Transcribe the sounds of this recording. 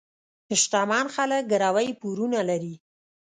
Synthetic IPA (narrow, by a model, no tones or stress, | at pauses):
hɪʃʈ̪amɑnxalək̚ɡəɾawəjpuɾunalaɾi